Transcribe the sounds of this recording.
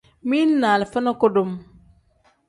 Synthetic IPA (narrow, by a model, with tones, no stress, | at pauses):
mi˦nnaː˨lfa˦na˦ko˦do˨m